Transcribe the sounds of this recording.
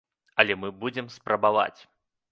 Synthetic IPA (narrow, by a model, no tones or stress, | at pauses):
ɐlʲɛmɨbud͡zʲɛmspɾʔɐbava̰t͡sʲ